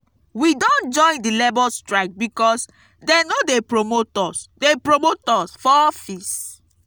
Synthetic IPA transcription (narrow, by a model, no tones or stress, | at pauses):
widɔ̃nd͡ʒɔ̃j̃ndilɛbɔstɹaɪk̚bikɔs | dɛnodepɹomotɔsdepɹomotɔsfɔfis